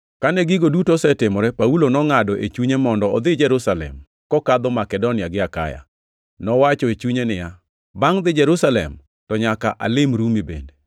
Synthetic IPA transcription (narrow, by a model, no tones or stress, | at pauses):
kanɛɡɪɡodutosɛtɪmɔɾɛpaulonɔŋadɔʔet͡ʃuɲemɔndɔɔd̪ɪd͡ʒɛɾusalɛ̰m | kɔkad̪ɔmakɛdonɪaɡɪaka̰ja̰ | nɔwat͡ʃɔet͡ʃuɲenɪja | baŋd̪ɪd͡ʒɛɾusalɛ̰m | tɔɲakaʔa̰lɪmɾumibḛnde